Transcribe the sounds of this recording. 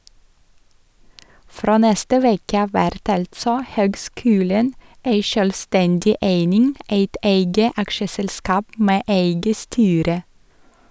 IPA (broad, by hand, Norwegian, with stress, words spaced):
ˈfɾoː ˈnɛstə ˈʋeːkə ˈɑːʋ ˈʋæɾt ˈɑltsɔ ˈhøːɡˌskʉːlən ˈeɪ ʃœlˈstɛndɪ ˈʔeɪnɪŋ ˈæɪt ˈeɪɡə ˈɑkʃəsɛlˌskɑːp ˈmeː ˈʔeɪɡə ˈstyːɾə